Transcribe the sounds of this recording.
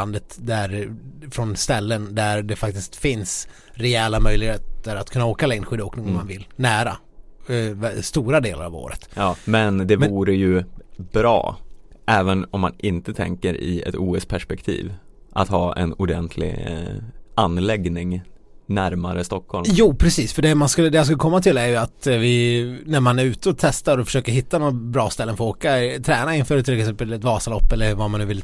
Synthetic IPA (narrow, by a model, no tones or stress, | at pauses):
and̪ət̪d̪æɾfɾɔnst̪ɛlːənd̪æɾɖɛfak̚t̪ɪst̪fɪns | ɾɛɛːlamœjlɪɡheːt̪əɾat̪kʰɵnːaoːkalɛŋnɧʏːd̪oːknɪŋɔmːanvɪlnæːɾa | vst̪uːɾad̪eːla̰ɾa̰vo̰ːɾə̰t̪ːmɛnd̪ɛvuːɾəjɵb̥ɾɑ̰ː | ʔɛːvənɔmːanʔɪnt̪ət̪ʰɛ̰ŋkəɾɪ̰ɛ̰t̪uːɛspʰæʂpɛkt̪ʰḭːvʔat̪hɑːɛ̰nʊɖɛnt̪ʰlɪ̰ɡ | ʔanːlɛɡnɪŋ | næɾmaɾəst̪ɔkhɔlmjuːpʰɾɛsiːsfœɖɛmanskɵlːəd̪ɛjas̬kɵlːəkʰɔmːat̪ʰɪlæɾjɵat̪vɪnæɾmanæɾʉ̟ːt̪əɔt̪ʰɛst̪aɾɔfœ̥ʂøːkəɾɦɪt̪ːanɔɾbɾɑːst̪ɛlːənfɔoːkat̪ʰɾɛːnaɪnfœːɾt̪ʰɪlɛksɛmpəlɛt̪vɑːsalɔpːɛlːəɾvamanːʉːvɪlː